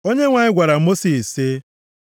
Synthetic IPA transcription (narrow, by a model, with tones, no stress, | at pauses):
o˦ɲe˦ŋʷa˨ɲɪ˦ɡʷa˨ɾa˨˦mo˦si˨se˦